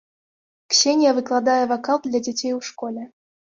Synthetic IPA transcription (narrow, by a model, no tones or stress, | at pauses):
kɕenʲɪjavɨklˠad̪ajəvakɑlˠd̪lʲadʲetʲejuʂkolʲe